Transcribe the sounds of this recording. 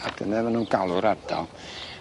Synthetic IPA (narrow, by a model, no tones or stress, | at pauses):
aɡ̥ənɛmanunɡalˠʊɾardɔ̰lˠ